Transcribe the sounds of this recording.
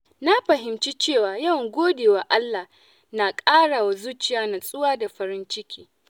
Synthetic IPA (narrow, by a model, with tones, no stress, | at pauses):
na˦ɸɐ˨ɦɪ˨mt͡ʃi˦t͡ʃeː˦˨waː˨jɐ˦˨wŋɡʷoː˦deː˨wa˨ʔa˦lːa˨h | na˨kʼaː˦ɽa˨wa˨zuː˦t͡ʃɪ˦jaː˨˦na˨sʼʊ˦waː˦da˨ɸɐ˨ɾɪ˦nt͡ʃɪ˦kʲʰi̥ː˦